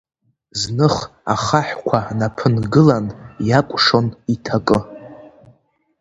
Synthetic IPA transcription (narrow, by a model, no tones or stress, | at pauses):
znɨχa̰χaħʷkʷʰanapʰɨnɡɨlanjakʷʼʂo̞nitʰakʼɨ